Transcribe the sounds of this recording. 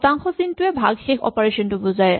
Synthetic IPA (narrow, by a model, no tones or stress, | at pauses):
taŋxɔsintʊɛbʱaɡxexʰɔ̰paɹeʃɔntʊbuzaj